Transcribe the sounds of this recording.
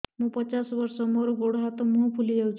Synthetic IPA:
mũːpət͡ʃasʋəɾsɔmoɾoɡoɽɦat̪ɔmuɦpʰulid͡ʒewt͡ʃʰ

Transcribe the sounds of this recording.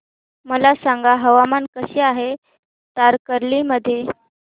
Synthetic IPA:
məlasaŋɡaɦəʋamankəɕiːaɦe | t̪aɾkəɾliməd̪ʱːje

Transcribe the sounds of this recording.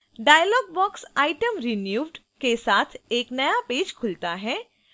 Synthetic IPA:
ɖaːjəlɔːɡ̚bɔːksaːɪʈəmɾinjuːʋɖ | kesaːt̪ʰeːknɐjapeːd͡ʒkʰʊlt̪aɦɛː

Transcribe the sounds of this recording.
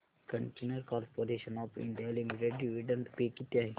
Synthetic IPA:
kə̃ɳʈeːnəɾkɔːɾpoːɾeːʃənɔːpɪ̰̃ɳɖijalimiʈeɖːiʋiɖə̃nt̪pekit̪jai

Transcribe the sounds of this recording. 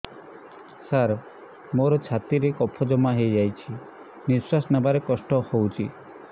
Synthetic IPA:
saɾ | moɾɔt͡ʃʰat̪iɾekɔpʰɔd͡ʒɔmaɦejd͡ʒajt͡ʃʰi | niswasɔnabaɾekɔsʈɔhowt͡ʃʰi

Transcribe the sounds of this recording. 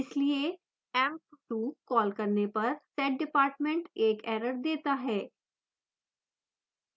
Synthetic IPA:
ɪslie | ɛ̃ːmp̚ʈuːkɔːlkɐɾnepɐɾsɛːʈ̚ɖɪpaːɾʈmẽɳʈeːkɛːɾəɾd̪eːt̪aɦɛː

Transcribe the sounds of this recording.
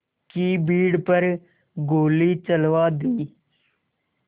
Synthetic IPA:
kiːbiːɽpəɾ | ɡoːliːt͡ʃəlʋaːd̪iː

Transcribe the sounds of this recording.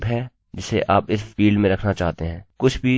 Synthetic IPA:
bɦɛː | d͡ʒɪseʔaːpɪsfiːlɖmẽɾɐkʰnat͡ʃaːɦt̪eɦɛ̃ːkʊt͡ʃʰbʱi

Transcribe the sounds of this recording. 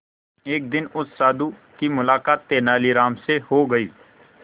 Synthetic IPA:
eːk̚d̪ɪnʊsːaːd̪ukimʊlaːkaːt̪ːeːnaːliɾaːmsehoːɡɐḭː

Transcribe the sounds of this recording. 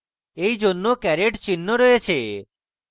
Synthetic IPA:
ejd͡ʒonːokɛɾeʈt͡ʃinːɔɾɔet͡ʃʰe

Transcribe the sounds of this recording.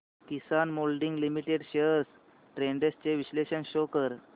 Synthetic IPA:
kisanmolɖiŋɡlimiʈeɖɕeəɾs | ʈɾeɳɖest͡ɕeʋiɕleɕənɕokəɾ

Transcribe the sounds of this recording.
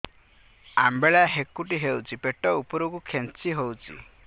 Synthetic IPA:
a̰mbeɭaɦekuʈiɦewt͡ʃʰipeʈɔupɔɾukukʰent͡ʃiɦowt͡ʃʰḭ

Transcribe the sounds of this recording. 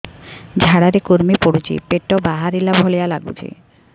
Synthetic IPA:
d͡ʑʱaɽaɾekoɾmipoɽut͡ɕḭpeʈːɔbaɦaɾilabʱolejalaɡṵt͡ɕʰḭ

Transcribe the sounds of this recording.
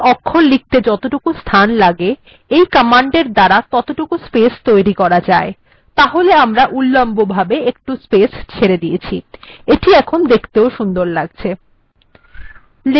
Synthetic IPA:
ɔkʰːolik̚t̪ed͡ʑɔt̪oʈukust̪ʰanlaɡe | ejkəmaɳɖeɾd̪aɾat̪ɔt̪oʈukuspest̪ojɾikɔɾad͡ʑae | t̪aɦoleamɾaʔulːambobʱabeek̚ʈuspest͡ɕʰeɾed̪iet͡ɕʰieʈiɛkʰond̪ekʰt̪eoʃund̪oɾlaɡ̚t͡ɕʰe | l

